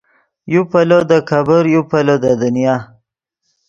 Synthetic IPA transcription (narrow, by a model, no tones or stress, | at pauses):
jupalod̪əkʰabəɾjupalod̪əd̪ənija